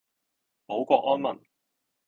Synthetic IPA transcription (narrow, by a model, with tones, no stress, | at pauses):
po˨˥wkʷɔː˧k̚ɔː˥nmɐ˨˩n